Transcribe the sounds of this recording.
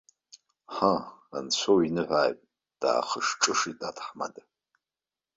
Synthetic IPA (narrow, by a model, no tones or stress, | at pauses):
ħaa̰nsʷʰowinɨħʷajpʼ | d̥a̰ːχəʂʈ͡ʂʼɨʂidʼatʰħma̰da